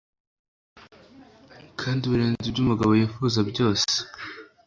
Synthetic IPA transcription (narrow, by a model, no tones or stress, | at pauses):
kʰaːndiβuɾeːnzibɟumuɡaβo̞jefuzabɟo̞ːse̥